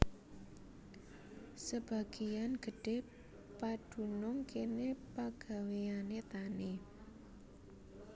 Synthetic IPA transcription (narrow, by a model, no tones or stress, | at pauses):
səb̥a̤ɡ̥i̤janɡ̥ə̤ɖ̥e̤ | pad̥ṳnʊŋkenepaɡ̥a̤weanet̪ani